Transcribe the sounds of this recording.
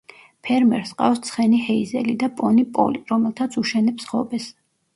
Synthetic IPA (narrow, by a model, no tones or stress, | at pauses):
pʰɛɾmɛ̰ɾsqʼa̰fst̪sʰχɛnihɛizɛlid̪apʼɔnipʼɔ̰liɾɔmɛlˠt̪ʰat̪sʰuʃɛnɛpsχɔbɛs